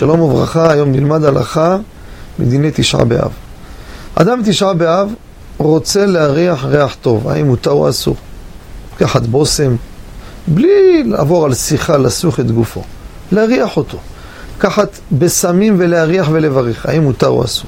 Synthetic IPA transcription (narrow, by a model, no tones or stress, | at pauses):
ʃalo̞movʁa̰χaːjomnilmad̪ala̰χa | med̪inejt̪iʃʕa̰bḛʔa̰v | ʔa̰d̪amt̪iʃʕabeav | ʁo̞t͡se̞leaʁiaħʁeaħt̪o̞va̰imut̪aṵa̰sṵʁ | kaħat̪bo̞se̞m | blilaːvo̞ʁalsiχalasuχe̞t̪ɡufo̞̰ | leaʁiaħo̞t̪o̞ | kaħat̪be̞samimve̞leaʁiaχve̞le̞vaʁeχa̰imut̪aṵa̰suʁ